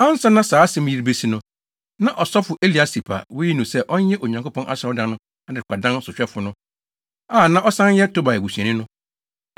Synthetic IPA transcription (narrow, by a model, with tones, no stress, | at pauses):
ã˦n̩˦sa˦nã˦saː˨˦sɛ̃˦m˦ji˦ɾbe˦si˦nʊ̃˦ | nã˨ʔɔ˨sɔ˦fʊ˨ʔe˦li˨a˦si˨pʰa̰˨wʊ˦ji˦nũ˨sɛ˦ʔɔ˦n˦jɛ̃˦ʔo˨ɲã˨ŋko˦pʰɔ̃˦nʔa̰˦sɛ˦ɔ˦dã˨nʊ̃˦ | a˨dɪ˨kʷʰa˨dã˦n˦sʊ˨ɕᶣɛ˦fʊ˨˦nʊ̃˦ | aː˦˨nã˦ʔɔ˦sã˦n˦jɛ˦tʰo˦ba˨ɛ˨ɡu˨sɥɛ̃˨nɪ̃˦nʊ̃˦